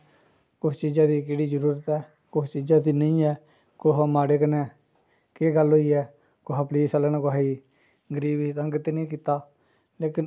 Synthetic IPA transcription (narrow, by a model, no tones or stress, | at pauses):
kʊst͡ʃiːd͡ʒãːd̪iːkeːɽiːd͡ʒəɾuːɾət̪ɛː | kʊst͡ʃiːd͡ʒaːd̪iːnəĩːɛː | koɦamaːɽeːkənɛː | keːɡəlɦoːiːɛː | koɦaːpliːsəlaːnːkʊɦaiː | ɡəɾiːbiːt̪əŋɡət̪inĩːk̬iːt̪aː | leːkɪn